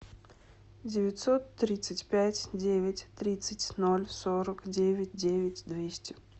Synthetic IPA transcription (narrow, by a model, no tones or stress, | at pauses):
dʲɪvʲɪtʲsot̪ːɾʲit̪sɨtʲpʲætʲdʲevʲɪtʲt̪ɾʲit̪sɨtʲnolʲsoɾəkdʲevʲɪt̚ʲdʲevʲɪtʲd̪vʲesʲtʲɪ̥